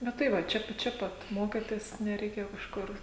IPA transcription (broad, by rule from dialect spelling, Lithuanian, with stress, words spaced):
ˈnʊ tɐɪ ˈʋɐ ˈt͡ʃʲɛ t͡ʃʲɛ ˈpɐt ˈmoːkʲeːtʲeːs nʲɛrʲɛɪˈkʲeːjoː kɐʃˈkʊr